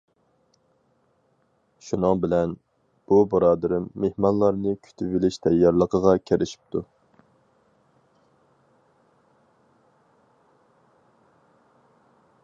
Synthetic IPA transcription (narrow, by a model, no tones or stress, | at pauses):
ʃunɨŋbɪlɛn | b̥ubɑɾɑːd̪ɨɾɪmːehmɑnlˠɑɾnɨkʲʰy̥t̪ʰyvɪlɪʃt̪ʰɛjːɑɾlˠəqʰəʁɑkʲʰeɾʔɪʃi̥p̚t̪ʰu